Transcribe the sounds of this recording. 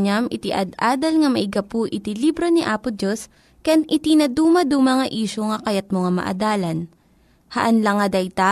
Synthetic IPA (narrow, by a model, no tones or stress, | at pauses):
ɲɐmʔɪt̪ɪʔɐd̪aːd̪ɐlŋɐmɐʔɪɡɐpʊʔɪt̪ilibɾoniʔaːpʊd͡ʒos | kɐjanʔɪt̪inɐd̪uːmɐd̪umɐŋɐʔiːʃoŋɐkɐjɐt̪̚moŋɐmɐ̰ʔɐ̰d̪aːlɐn | hɐʔɐnlɐŋɐd̪ɐjt̪a